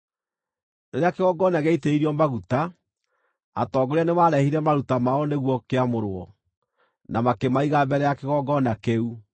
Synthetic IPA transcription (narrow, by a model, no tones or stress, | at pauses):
neɾeakeɣɔɡɔnaɣeiteiɾiɔmaɣuta | a̰tɔːɡoɾanemaːɾɛhiɾɛmaɾutamaɔneɣwɔkeamoɾwɔ | namakemaiɣabɛɾɛjakeɣɔɡɔnakeu